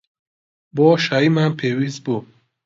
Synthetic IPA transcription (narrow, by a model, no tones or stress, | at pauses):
bɔʃaimanpʰewizbu